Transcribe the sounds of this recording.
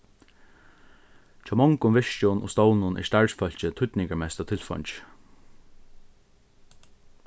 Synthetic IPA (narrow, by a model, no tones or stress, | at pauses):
t͡ʃʰaːmɔŋkʊmʋɪʂt͡ʃʊnʊ̰st̪oːwnʊnʔɛ̰st̪aɹsfœl̥t͡ʃɪt̪ʰʊt̪nɪŋkaɹmɛst̪at̪ʰɪlfɔ̰ɲt͡ʃ